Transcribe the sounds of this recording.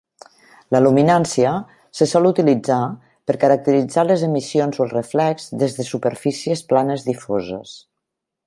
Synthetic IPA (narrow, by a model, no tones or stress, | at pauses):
ləluminansiə | səsɔlut̪ilid͡za | pəɾkəɾək̚t̪əɾid͡zaləzəmisionzoəlˠrəflɛkz̥ðezðəsupəɾfisiəsplanəzðifozə̰s